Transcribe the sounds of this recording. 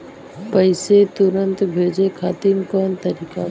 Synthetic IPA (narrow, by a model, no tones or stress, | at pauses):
pəɪset̪ʊɾənt̪bʱeːd͡ʒekʰaːt̪inkɔːnt̪əɾiːka